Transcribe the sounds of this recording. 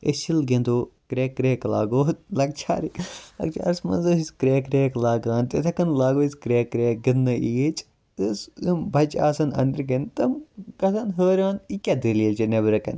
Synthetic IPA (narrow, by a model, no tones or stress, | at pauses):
ḛʃilɡend̪oːkɾʲeːkːɾeːkla̰ːɡoːt̪̚lɐk̚t͡ʃʰa̰ːɾiklɐ̰kt͡ʃʰa̰ɐɾsmɐ̰nzɐːsisʲkɾeːkɾeːklaːɡaːnt̪et̪ʰɐkɐnlaːɡoisʲkɾeːkːɾeːk̚ɡɨnːɨʔijet͡ʃ | ɨsimbʱɐt͡ʃaːsɐnɐ̰nd̪ɾɡɐnt̪ɐmɡɐsɐnɦəːɾʲaːnikʲɐd̪ililt͡ʃinebɾɐkɐ̰n